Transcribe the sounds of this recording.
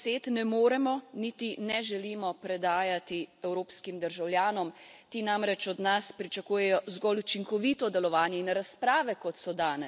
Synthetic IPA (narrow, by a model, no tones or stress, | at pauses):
seːt̪nɛmoːɾɛmɔnit̪inɛʒɛliːmɔpɾɛd̪aːjat̪iɛwɾoːpskimd̪əɾʒawljaːnɔmt̪iːnamɾɛt͡ʃɔd̪naspɾit͡ʃakuːjɛjɔzɡɔlut͡ʃiŋkɔʋit̪ɔd̪ɛlɔʋaːnjɛinɾaspɾaːʋɛkɔt̪sɔd̪aːnɛ